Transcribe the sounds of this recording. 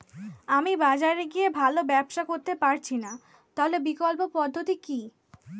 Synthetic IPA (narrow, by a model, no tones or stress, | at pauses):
amibad͡ʑaɾeɡiebʱalobɛbʃakoɾt̪epaɾt͡ɕʰina | t̪aɦolebikolpopɔd̪ʱːot̪iki